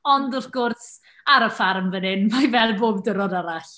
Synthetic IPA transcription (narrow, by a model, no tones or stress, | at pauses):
ɔndɔfɡ̥ʊrs | aɾəfarmvənɪnmajvɛlˠboːbdəɾɔdaɾaɬ